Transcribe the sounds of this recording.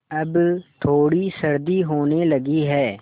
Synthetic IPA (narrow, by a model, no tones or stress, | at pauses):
əbt̪ʰoːɽiːsəɾd̪iːɦoːneːləɡiːɦɛː